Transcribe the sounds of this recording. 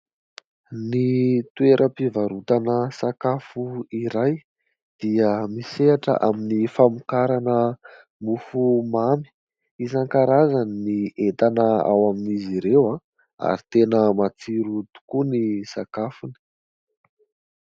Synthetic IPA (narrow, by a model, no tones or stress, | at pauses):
nit̪ueɾʔəpivaɾut̪anəsakafuiɾaj | d̪̥iəmiseaʈ͡ʂə̰ʔaminifamukaɾanə | mufumami̥ | izaŋkaɾazanniet̪anəa̰waminiziɾewã | a̰ɾit̪enəmat͡siɾut̪u̥kunisakafuni̥